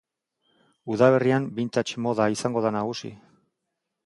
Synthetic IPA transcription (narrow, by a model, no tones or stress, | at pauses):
uðaβeriambint̪at͡ʃmo̞ðaisaŋɡo̞ðanaɣ̞usḭ